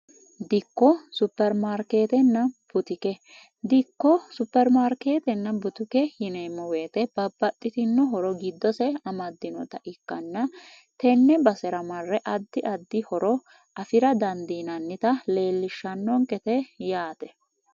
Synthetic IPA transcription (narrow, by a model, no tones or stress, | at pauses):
d̪ɪkːɔsʊpːɛɾmaːɾke̞ːt̪ɛnːɐb̥ʊt̪ɪkɛ | d̪ɪkːɔsʊpːɛɾmaːɾke̞ːt̪ɛnːɐbʊt̪ʊkɛhɪneːmːɔweːt̪ɛb̥ɐbːɐt̪ʼːɪt̪ɪnːɔɦɔɾɔɡɪd̪ːɔsɛɐmɐd̪ːɪnɔ̰t̪ɐʔɪkːɐnːɐ | t̪ɛnːɛbɐsɛɾɐmɐrːɛʔɐd̪ːɪʔɐd̪ːɪhɔɾɔ | ʔɐfɪɾɐd̪ɐnd̪iːnɐnːɪt̪ɐle̞ːlːɪʃːɐnːɔŋkʼɛt̪ɛjaːt̪ɛ̥